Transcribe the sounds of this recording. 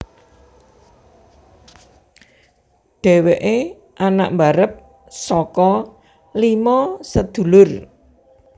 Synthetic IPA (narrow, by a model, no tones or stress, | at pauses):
ɖ̥ɛ̤weʔe | ʔana̰ʔmbaɾəp̚ | sɔkɔ | limɔsəd̪̥ṳlʊr